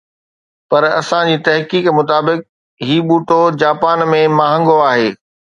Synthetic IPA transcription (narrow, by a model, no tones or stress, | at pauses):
pɐɾɐ̰sãd͡ʑiːt̪ɐɦkiːkmʊt̪̬aːbɪk̚ | ɦiːɓuːʈod͡ʑaːpaːnmẽmaːɦə̃ŋɡoaːɦeː